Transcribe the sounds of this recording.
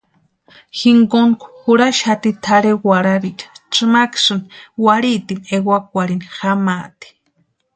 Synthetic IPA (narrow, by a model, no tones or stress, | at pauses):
xiŋɡonkxuɾaʃhat̪it̪ʰaɾewaɾaɾikt͡ʃɨmaksɨnwaɾit̪imewak̚ʷaɾinxamat̪i̥